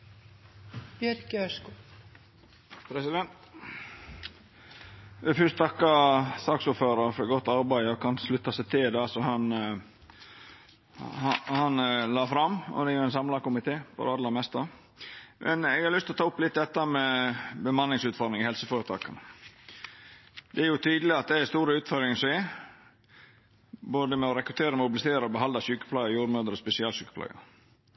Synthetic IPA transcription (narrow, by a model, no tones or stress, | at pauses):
bjœɾcœsku | pʰɾɛsɪd̪ɛnt̪ | ʋɛfʏst̪t̪ʰɑkːɑsɑksʊːføːɾɑɾfɔɾɡɔt̪ːɑɾbæɪɔkʰɑnslʉt̪ːɑsɛt̪ʰɪld̪ɑːsɔhɑn | hɑnlɑːfɾɑmːɔ̰d̪ɛjʊɛnsɑmlɑkʊmɪt̪ʰeːpɔ̰ɾɑd̪lɑmɛst̪ɑ | mʔɛ̰nɛɡhɑɾlʏst̪lɔt̪ʰɑːʊpːlɪt̪̚d̪ɛt̪ːəmɛbəmɑnːɪŋsʉːt̪fɔɾd̪ɪŋɪhɛlsəfoːɾət̪ʰɑ̰ːkɑnə | d̪ɛæɾjʊt̪ʰyːd̪lɪɑt̪̚d̪ɛɛst̪uːɾəʉːt̪fɔɾd̪ɾɪŋseː | boːd̪əmɛɔɾɛkɾʉt̪ʰeːɾəmʊbɪlɪseːɾəɔbəɦɑnd̪ɑɕʉːkə̥pʰlɑːɡəjuːɾmøːd̪əɾɔspɛsɪɑːlsyːkəpʰlɑ̰ːɡəɾ